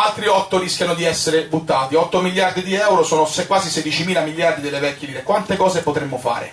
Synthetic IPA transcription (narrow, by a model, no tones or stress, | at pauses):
alt̪ɾiɔt̪ːoɾiskʲjanod̪iɛsːeɾebut̪ːaːt̪iɔt̪ːomilːjard̪id̪iɛwɾosɔːnosekwaːzised̪it͡ʃimiːlamiljard̪id̪elːevɛkːiliːnekwant̪ekɔːzepot̪ɾemːofa̰ːɾḛ